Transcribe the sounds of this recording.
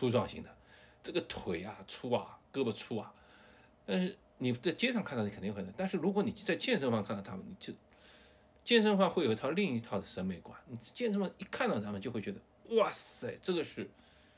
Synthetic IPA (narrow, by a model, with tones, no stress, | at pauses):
t͡sʰu˥ʈ͡ʂwɑ˥˩ŋɕḭ˧˥ŋd̪ə˨ʈ͡ʂɤ˥˩ɡə˩t̪ʰwe˨˩ɪɐ˨ʈ͡ʂʰu˥ɐ̰˨kɤ˥bə˨˩t͡sʰu˥ɐ˨ | t̪a˥˧nʂɻ̩˥˩ | ni˨˩˥t͡sa˥˩ɪt͡ɕjɛ˥ʈ͡ʂʰŋkʰa˥˧t̪ɑ˥˩i˧k̪ʰi˥˧˥t̪ʂɻ̩˥˩ɻu˧˥kwɔ˧˥ni˨˩t͡sa˥˧ɪt͡ɕjɛ˥˧nʂə˥ŋfwɑ˥˧ŋkʰa˥˧nt̪ɑ˥˧˩t̪ʰa˥mə̰˨ni˨˩t͡ɕjo˥˩ʊ | t͡ɕjɛ˥˧nʂə˥ŋfɑ˥˧ŋxwe˥˩ɪo˨˩˧li˥˧ŋi˧˥t̪ʰɑ˥˩ʊd̪ə˩ʂə˧˥nme˧˩ɪkwa̰˨˩nni˨˩˥t͡ɕjɛ˥˧nʂfɑ˥˧i˧˥˩kʰa˥˧nt̪ɑ˥˧t̪ʰa˥mə˨nt͡ɕjo˥˧xwe˥˩ɥʲɛ˧˥d̪ə˧wɑ˥˩e˥˩ɪʈ͡ʂɤ˥˩ɡə˩ʂɻ̩˥˩